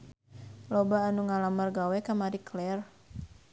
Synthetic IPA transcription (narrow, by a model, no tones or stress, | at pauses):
lobaːnuŋalamarɡawɛkamaɾiklɛr